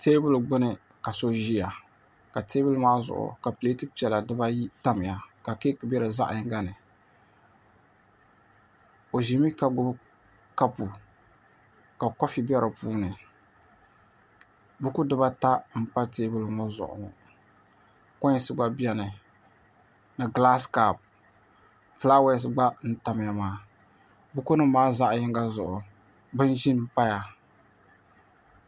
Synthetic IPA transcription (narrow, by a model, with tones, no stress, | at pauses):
teː˦bʊ˦lɨ˨ɡ͡bɨ˦nɨ˨ | ka˨so˦ʒi˦ja˨ | ka˨teː˦bɨ˦lmaː˦zʊ̰˨ʔʊ̰˨ka˨pɨ˨e˦tɨ˦pi˨ɛ˨la˨dɨ˦ba˦ji˦ta˦mɪ˨ja˨ka˨keː˦kɨ˨bɛ˦ɾɨ˨za̰˦ʔa˨˦ŋ˦ɡa˦nɨ˨ | o˨ʒi˨mi˦ka˨ɡʊ˦b | ka˦pu˨ | ka˨kɔ˦fi˨bɛ˦ɾɨ˨puː˦nɨ˨ | bu˦ku˦dɨ˦ba˦ta˦m̩˦pa˦teː˦bɨ˦lɨ˨mɔ˦zʊ̰˨ʔʊ̰˨ŋ˨ | kɔ˦sɨ˦ɡ͡ba˦bi˦ɛ˦nɨ˨ | nɨ˨ɡla˦ska˨p̚ | fla˦wɛ˦s̬ɡ͡ba˦n̩˦ta˨m˦ja˦maː˨ | bu˦ku˦nɨ˦maː˦za˦ʔjɪ˦ŋ˦ɡa˦zʊ˨ʔʊ˨ | bɨ˦n˦ʒi˦m̩˦pa˦ja˨